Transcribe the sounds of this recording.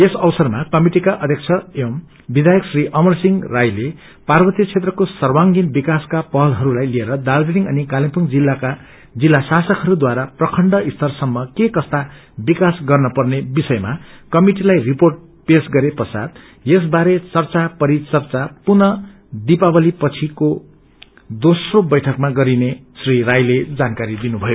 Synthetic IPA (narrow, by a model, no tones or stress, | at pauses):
esʌwsʌrmakʌmiʈikaʔʌd̪ʱjʌk̚t͡sʰʌem | bid̪ʱajʌksriʔʌmʌrsiŋrajle | parbʌt̪jʌt͡sʰet̪rʌkosʌrwaŋɡinbikaskapʌɦʌlɦʌɾulajlieɾʌd̪ald̪iniŋʌnikalimpuŋd͡zilːaka | d͡zilːasasʌkɦʌɾud̪waɾaprʌkʰʌɳɖʌist̪ʌrsʌmːʌkekʌst̪a | bikasɡʌrnʌpʌrnebisʌemakʌmiʈilajriporʈ̚ | pesɡʌɾepʌsa̰d̪ | jes̬baɾet͡sʌrt͡sapʌɾit͡sʌrt͡sapunʌ | d̪ipabʌlipʌt͡sʰiko | d̪osrobʌjʈʰʌkmaɡʌɾinesrirajled͡zankaɾid̪inubʱʌjo